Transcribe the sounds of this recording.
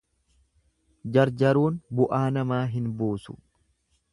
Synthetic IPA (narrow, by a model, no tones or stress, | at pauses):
d͡ʒɐɾd͡ʒɐɾuːnbʊʔaːnɐmaːɦɪnboːsʊ̥